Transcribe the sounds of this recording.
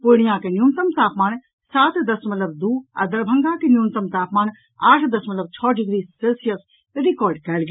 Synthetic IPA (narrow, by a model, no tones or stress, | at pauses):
poɽ̃ijãːkenjuːnt̪əmt̪ʰaːpmaːn | saːt̪d̪ɐsmɐt̪ləb̚d̪uːɐ̰d̪ɐɾbʱɐ̃ŋɡãkenjuːnt̪əmt̪ʰaːpmaːn | aːʈʰd̪ɐsmɐt̪ləb̚t͡ʃʰɔːɖɪɡɾiːselsijəs | ɾikɔːɾɖkɛːlɡ